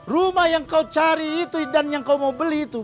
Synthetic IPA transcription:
rumahjaŋkaut͡ʃaɾiːt̪udanjaŋkaumaubəliːt̪u

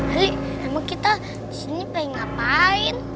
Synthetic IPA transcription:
aɾi | amaŋkit̪a | disinipaiŋapaɪn

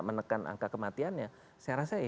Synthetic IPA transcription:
ʔmənəkanʔa̰ŋkakəmat̪ianɲa | saaɾasa

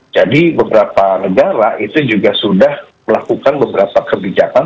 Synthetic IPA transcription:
d͡ʒadibəbəɾapanəɡaɾaʔit̪ud͡ʒuɡasudah | məlakukanbəbəɾapakəbid͡ʒakan

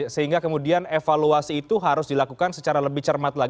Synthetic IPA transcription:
səɦiŋɡakəmudianefaluasiːt̪uɦaɾʊsdilakukansət͡ʃaɾaləbɪht͡ʃərmat̪laɡ

